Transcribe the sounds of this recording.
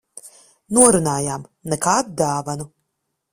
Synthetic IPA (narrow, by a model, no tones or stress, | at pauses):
nuɔɾunaːjaːmnɛkaːd̪d̪aːvanu